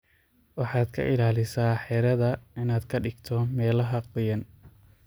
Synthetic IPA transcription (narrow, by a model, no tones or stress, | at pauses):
wɑħɑːd̪kʰɐ̰ʔɪlaːlɪsaːħɛːɾɐðɐɪnaːd̪kʰɐɖɪɡt̪ʰɔmɛːlɐɦɐqʊjɐn